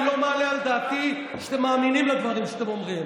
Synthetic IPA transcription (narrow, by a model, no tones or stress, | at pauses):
lomaleald̪aːt̪i | ʃt̪emːaːminimlad̪vaʁimʃeat̪emo̞mʁim